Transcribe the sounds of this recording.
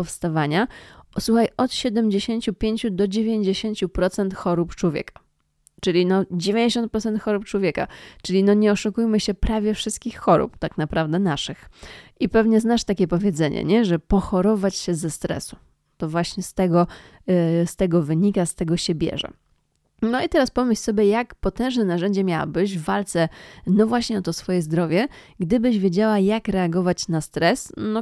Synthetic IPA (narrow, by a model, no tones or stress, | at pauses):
ɔfst̪avaɲaswuxajɔt̪ɕɛd̪ɛmd͡ʑeɕeɲt͡ɕupʲjeɲt͡ɕud̪ɔd͡ʑevʲjeɲd͡ʑeɕeɲt͡ɕupɾɔt̪sɛnt̪xɔɾupt͡ʂwɔvʲjɛ̰kḁ | t͡ʂɘlʲinɔd͡ʑevʲeɲd͡ʑeɕɔnt̪̚pɾɔt̪sɛnt̪xɔɾup̚t͡ʂwɔvʲjɛka̰t͡ʂɘlʲinɔɲɛɔʂukujmɘɕɛpɾavʲjɛfʂɨst̪kʲixːɔɾṵpt̪aknapɾavd̪ɛnaʂɘxipɛvɲɛznaʂt̪akʲɛpɔvʲjɛd̪zɛɲɛ̰ɲɛʐɛpɔxɔɾɔvat͡ɕɕɛzɛst̪ɾɛ̰su̥ | t̪ɔvwaɕɲɛst̪ɛɡɔ | st̪ɛɡɔvɘɲikast̪ɛɡɔɕɛbʲjɛ̰ʐɛ̰ | nɔit̪ɛɾaspɔmɘɕsɔbʲjɛjakpɔt̪ɛ̃w̃ʐnɛnaʐɛɲd͡ʑɛmʲjawa̰bɘʑvːalt̪sɛnɔvwaɕɲɛɔt̪ɔsfɔjɛzd̪ɾɔvʲjɛɡd̪ɘbɘʑvʲjed͡ʑawajakɾɛaɡɔvat͡ɕnast̪ɾɛsnɔ